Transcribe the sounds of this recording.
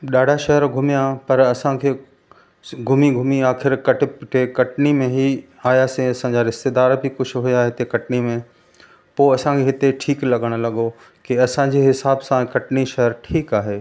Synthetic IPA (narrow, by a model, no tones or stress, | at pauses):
ɗaːɖʱaʃɐɦəɾɡʱʊmijapɐɾɐsãkʰeː | ɡʱʊmiɡʱʊmiaːxɪɾkɐʈpɪʈʰekɐʈnimẽɦi | aːjaːsẽɐsãːɲd͡ʑaɾɪst̪ed̪aːɾbʱikʊd͡ʑʱʰʊɦʊjaɦɪt̪ekɐʈnimẽ | poːɐsãkʰeːɦɪt̪eʈʰiːklɐɠəɽ̃̆lɐɠo | kiɐsãd͡ʑiːɦɪsaːbsãkɐʈniʃɐɦəɾʈʰiːkaːɦeː